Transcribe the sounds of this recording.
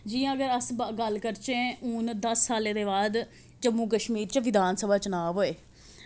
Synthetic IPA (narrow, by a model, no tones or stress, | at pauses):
d͡ʒiːãːəɡəɾəsbɡəlkəɾt͡ʃẽːuːnd̪əsːaːleːd̪eːbaːd̪ | d͡ʒəmũːk̬əʃmiːɾt͡ʃʋɪd̪ʱaːnsəbʱaːt͡ʃənaːʋɦoːeː